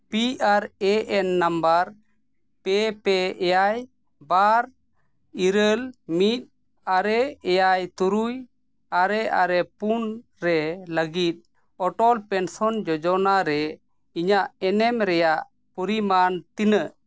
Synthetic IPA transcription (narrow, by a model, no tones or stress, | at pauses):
piʔaɾɛɛnːambaɾ | pɛpɛɛjaj | baɾ | iɾəlmit̪̚ | aɾɛɛjajt̪uɾuj | aɾɛʔaɾɛpun | ɾɛləɡit̪̚ˀ | ɔʈɔlpɛnsɔnd͡ʒɔd͡ʒɔnaɾɛ | iɲaʔɛnɛmɾɛjaʔ | pɔɾimant̪inəʔ